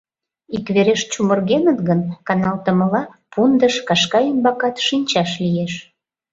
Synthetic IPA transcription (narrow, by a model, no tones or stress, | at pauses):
ikβeɾeʃt͡ɕumərɣenət̪ɡənkɑnɑlt̪əməlɑpund̪əʃkɑʃkɑymbɑkɑt̪ʃinʲt͡ɕɑʃlijeʃ